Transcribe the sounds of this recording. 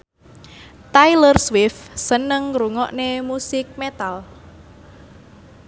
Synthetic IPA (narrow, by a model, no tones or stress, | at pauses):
t̪ajlərswɪfsənəŋɾuŋɔʔnemusɪk̚met̪al